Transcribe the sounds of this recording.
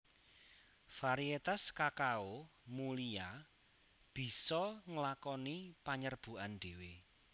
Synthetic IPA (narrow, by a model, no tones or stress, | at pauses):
faɾiet̪askakaomulia | b̥i̤sɔŋəlakɔnipaɲərb̥ṳʔanɖ̪̥e̤we